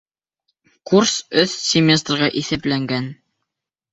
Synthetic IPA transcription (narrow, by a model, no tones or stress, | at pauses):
kursɵθsʲɪmʲest̪rʁɑʔiθæplæŋɡæn